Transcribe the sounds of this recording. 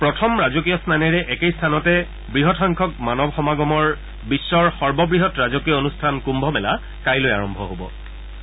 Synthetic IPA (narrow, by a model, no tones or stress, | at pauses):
pɹɔtʰɔmɹazok̬ijɔsnanɛɹɛʔɛkejstʰanɔtɛ | bɹiɦɔtʰɔŋkʰɔk̚manɔbxɔmaɡɔmɔɹ | bisːɔɹxɔɹbɔbɹiɦɔtɹazokijɔonustʰankumbʱɔmɛla | kajloja̰ɹɔmbʱɔ̰ɦobɔ̰